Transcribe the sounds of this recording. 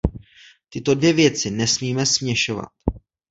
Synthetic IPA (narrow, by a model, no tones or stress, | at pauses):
t̪ɪt̪o̞dvjɛvjɛt͡sɪnɛsmiːmɛsmɲɛʃo̞va̰t̪